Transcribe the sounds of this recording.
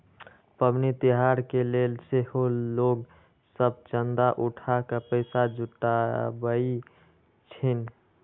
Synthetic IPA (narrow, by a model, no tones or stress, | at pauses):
pəbnit̪iɦaɾkelelseholoɡ | səb̚t͡ʃənd̪aʔuʈʰakəpəɪsad͡ʒʱuʈːabəi | t͡ʃʰin